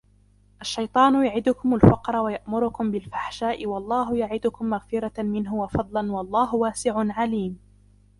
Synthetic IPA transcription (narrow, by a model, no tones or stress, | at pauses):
ʔaʃːɑjt̪ˤɑːnʊjaʕɪd̪ʊkʊmalfɑqɾˤɑwajaʔmʊɾʊkʊmbɪlfḁħʃaːʔɪwɑlˤːɑːɦʊjaʕɪd̪ʊkʊmːaɣfɪɾɑmɪnɦʊwafɑd̪ˤlɑnwɑlˤːɑːɦʊwaːsɪʕʊnʕaliːm